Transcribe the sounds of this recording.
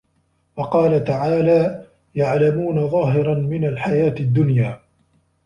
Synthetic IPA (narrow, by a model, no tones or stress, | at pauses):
wɑqɑːlat̪aʕaːlaː | jaʕlamuːnaðˤɑːɦɪɾˤɑnmɪnalħajaːt̪ɪd̪ːʊnjaː